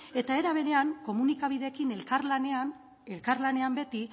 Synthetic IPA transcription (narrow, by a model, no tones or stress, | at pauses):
e̞t̪ae̞ɾaβe̞ɾe̞aŋko̞munikaβ̞iðe̞kine̞lkaɾlanean | e̞lkaɾlane̞ambe̞t̪i